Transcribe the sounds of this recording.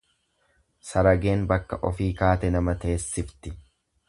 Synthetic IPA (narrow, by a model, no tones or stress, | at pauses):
sɐɾɐɡeːnbɐkːɐʔɔfiːkaːt̪ɛnɐmɐt̪e̞ːsːɪft̪ɪ